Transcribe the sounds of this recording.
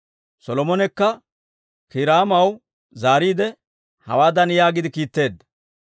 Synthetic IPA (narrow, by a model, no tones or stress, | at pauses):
sɔlɔmɔnɛkːɐ | kɪɾaːmɐw | zaːɾiːd̪ɛ | hɐ̰waːd̪ɐnjaːɡɪd̪ɪkiːt̪ːe̞ːd̪ːɐ̥